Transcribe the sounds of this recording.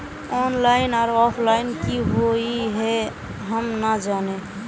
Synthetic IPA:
ɔːnlaɪnaːɾɔpʰlaɪnkiɦoiɦɛ | ɦəmnad͡ʒaːne

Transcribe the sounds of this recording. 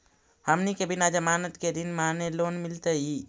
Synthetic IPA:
həmnikebʱinad͡ʒəmaːnət̪ked̪inmanelonmilt̪əi

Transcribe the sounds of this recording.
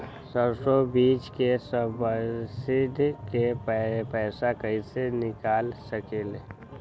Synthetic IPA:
səɾsobiːt͡ʃkesəbəsɪd̪ʱkepɛpɛːsakəɦisenɪkaːlsəkele

